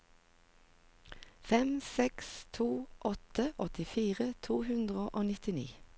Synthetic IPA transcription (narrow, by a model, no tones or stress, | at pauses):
fɛmsɛkst̪ʰuːʔɔt̪əʔɔt̪ɪfiːʁət̪ʰuːhʉnd̪ʁəʔoːnɪt̪ɪnḭː